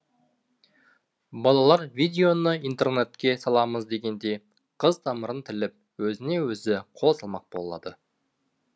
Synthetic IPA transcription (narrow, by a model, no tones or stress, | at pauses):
bɑlˠɑlˠɑɾvid̪ʲe̞o̞nəijnt̪e̞rne̞t̪kʲe̞sɑlˠɑməzd̪e̞ɡʲe̞nd̪e̞j | qʰəzt̪ʰɑməɾənt̪ʰɪlɪp̚ | wɵzɪne̞wɵzɪqʰo̞lˠsɑlˠmɑq̚bo̞lˠlˠɑ̰d̪ə